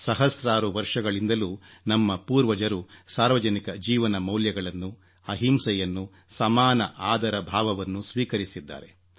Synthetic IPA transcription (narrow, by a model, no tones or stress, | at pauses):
sɐɦɐsɾaːɾuʋɐɾʂɐɡɐɭind̪ɐluːnɐmːɐpuːɾʋɐd͡ʒɐɾusaːɾʋɐd͡ʒɐnikɐd͡ʒiːʋɐnɐmɐwljɐɡɐɭɐnːu | ɐɦimsɐjɐnːu | sɐmaːnɐʔaːd̪ʱɐɾɐbʱaːʋɐʋɐnːusʋiːkɐɾisid̪ːa̰ːɾe̞